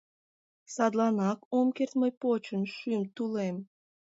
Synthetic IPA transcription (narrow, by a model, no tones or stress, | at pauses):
sɑd̪lɑnɑkomkert̪məjpot͡ɕənʃymt̪ulem